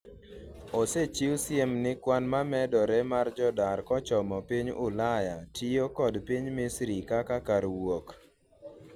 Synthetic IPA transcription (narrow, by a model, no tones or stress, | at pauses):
oset͡ʃiwsɪjemnɪkwanmamɛdɔɾɛmard͡ʒɔdarkɔt͡ʃɔmɔpiɲʊ̰lajatijokɔdpiɲmɪsɾikakakaɾwok